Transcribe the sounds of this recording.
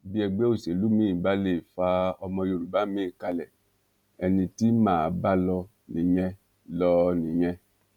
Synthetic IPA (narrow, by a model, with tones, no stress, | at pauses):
bi˦ɛ˧ɡ͡bɛ˦o˦˨se˨lu˨˦mĩ˦˨ba˦le˦˨fa˧ɔ˧mɔ̃˧jo˧˨ɾu˨ba˦mĩ˦˨ka˧lɛ˨ | ɛ˧nĩ˧ti˦mãː˦˨ba˦lɔ˧ | nĩ˨ɲɛ̃˧ | lɔ˧nĩ˨ɲɛ̃˧